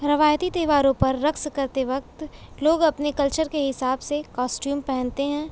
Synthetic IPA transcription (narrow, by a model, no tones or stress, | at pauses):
ɾɐʋaːjt̪it̪eːʋaːɾõpɐɾːɐkskɐɾt̪eʋɐk̚t̪loːɡɐpnekɐlt͡ʃəɾkeɦɪsaːbsekaːsʈjuːmpɛɦɛ̃nt̪eɦɛ̃ː